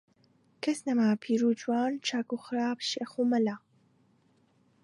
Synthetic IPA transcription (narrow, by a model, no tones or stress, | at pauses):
kʰɐsnɐmapʰiɾud͡ʒuwaːnt͡ʃʰaːkuxɾaːpʃeːxumɐlaː